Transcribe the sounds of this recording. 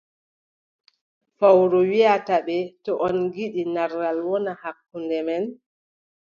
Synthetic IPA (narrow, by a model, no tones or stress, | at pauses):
fawɾɔwiataɓɛtɔʔɔnɡiɗinaɾɡalwɔnahakːundɛmɛn